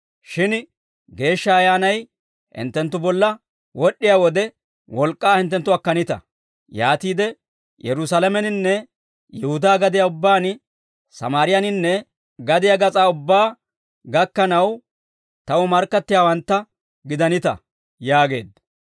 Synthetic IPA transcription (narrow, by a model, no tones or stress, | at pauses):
ʃɪn | ɡe̞ːʃːɐːjaːnɐj | hɪ̰nt̪ːɛnt̪ːʊbɔlːɐ | wɔɗːɪjaːwɔd̪ɛ | wɔlkʼːaːhɪnt̪ːɛnt̪ːʊɐkːɐnɪt̪ɐ̰ | jaːt̪iːd̪ɛ | jɛɾʊsalɐmɛnɪnːɛ | jɛhʊd̪aːɡɐd̪ɪjaːʊbːaːn | sɐ̰maːɾɪjɐnɪnːɛ | ɡɐd̪ɪjaɡɐt͡sʼaːʊbːaː | ɡɐkːɐnɐw | t̪ɐwɔmɐɾkːɐt̪ːɪjaːwɐnt̪ːɐ | ɡɪd̪ɐnɪt̪ɐ̰ | jaːɡe̞̰ːd̪